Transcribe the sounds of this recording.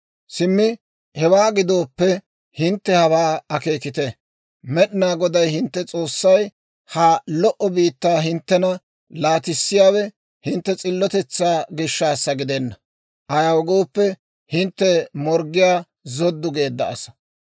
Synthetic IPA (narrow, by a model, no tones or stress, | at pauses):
sɪmːɪ | hɛwaːɡɪd̪o̞ːpːɛ | hɪnt̪ːɛhɐwaːɐke̞ːkɪt̪ɛ | mɛɗɪnaːɡɔd̪ɐjhɪnt̪ːɛt͡sʼo̞ːsːɐj | hɐlɔʔɔbiːt̪ːaːɦɪnt̪ːɛnɐ | laːt̪ɪsːɪjaːwɛ | hɪnt̪ːɛt͡sʼɪlːɔt̪ɛt͡sːaːɡɪʃːaːsːɐɡɪd̪ɛnːɐ | ʔɐjawɔɡoːpːɛ | hɪnt̪ːɛmɔɾɡɪjaː | zɔd̪ːʊɡe̞ːd̪ːɐ̰ɐ̰sɐ̥